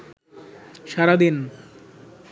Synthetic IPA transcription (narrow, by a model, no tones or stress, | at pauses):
ʃaɾad̪in